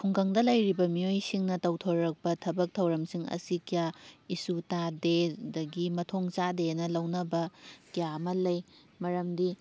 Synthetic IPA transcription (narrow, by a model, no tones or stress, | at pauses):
pʰuŋkɐŋdɐlɐjɾibɐmiojsiŋnɐtɐwtʰoɾɾɐk̚pɐtʰɐbɐk̚tʰɐwɾɐmsiŋɐ̰sikijaisutadedɐɡimɐtʰoŋt͡ʃadenɐlɐwnɐbɐkijamɐlɐj | mɐɾɐmdi